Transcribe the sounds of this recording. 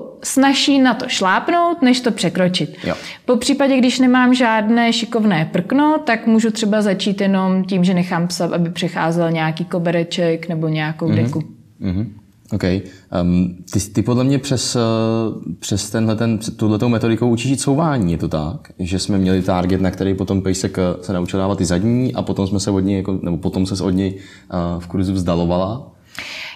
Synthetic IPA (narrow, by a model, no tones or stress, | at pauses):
snaʃiːnat̪o̞ʃlaːpno̞wt̪nɛʃt̪o̞pr̥ɛkɾot͡ʃɪt̪jo̰ | po̞pr̝̥iːpaɟɛɡdɪʃnɛmaːmʒaːdnɛːʃɪkovnɛːpr̩kno̞t̪akmuːʒut̪r̥ɛbazat͡ʃiːt̪jɛno̞mciːmʒɛnɛxaːmpsat̪ʔabɪpr̝̥ɛxaːzɛlɲɛakiːkobɛɾɛt͡ʃɛknɛboɲɛjako̞wdɛku | ɦ̩ | ʔowkɛj | t̪ɪt̪ɪpodlɛmɲɛpr̥ɛs | pr̥ɛst̪ɛnɦlɛt̪ɛnpɛt̪ːowdlɛt̪owmɛt̪o̞dɪkowʔut͡ʃiʒiːt̪sowvaːɲiːjɛt̪o̞t̪ak | ʒɛsmɛmɲɛlɪt̪aːɾɡɛt̪nakt̪ɛɾɛjpo̞t̪o̞mpɛjsɛksɛnaut͡ʃɪldaːvat̪ɪzadɲiːʔa̰po̞t̪omsmɛsɛvodɲɛjakonɛbopo̞t̪omsɛso̞dɲɛj | fkuɾzuvzdalo̞vala